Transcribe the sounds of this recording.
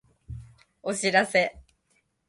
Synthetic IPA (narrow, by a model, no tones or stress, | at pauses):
oɕiɾase̞